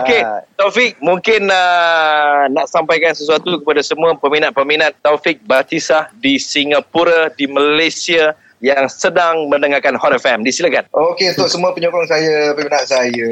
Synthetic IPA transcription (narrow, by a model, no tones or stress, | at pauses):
oket̪ofɪk̚muŋkɪnə | naʔsampajkansəsuat̪ukəpadasəmũapəminat̪̚pəminãt̪ːɔfik̚bat̪isahdisiŋapuɾadiməlajsia | jaŋsədaŋmə̃nəŋakanhɔt̪ɛfɛmdisilakanʔokeunt̪ʊʔsəmuapəɲokɔŋsajapəminat̪̚saja